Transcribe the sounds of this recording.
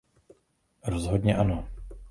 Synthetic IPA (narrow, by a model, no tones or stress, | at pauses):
ɾozɦodɲɛʔano